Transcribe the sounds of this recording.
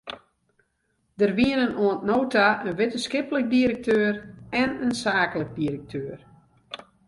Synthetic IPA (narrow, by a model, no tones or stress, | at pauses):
d̥ərʋiənənoəntnoːtaənʋɪtənskɪpələk̚diəɾək̚tʰøːrɛnənsaːklək̚diəɾək̚tʰøːr